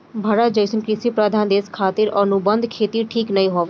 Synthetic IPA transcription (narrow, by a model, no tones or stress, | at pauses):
bʱaːɾət̪̚d͡ʒəɪsənkɾɪsipɾaːd̪ʱaːnd̪eːskʰaːt̪ɪɾənubə̃nd̪ʱkʰeːt̪iʈʰiːknɐĩɦoːʋe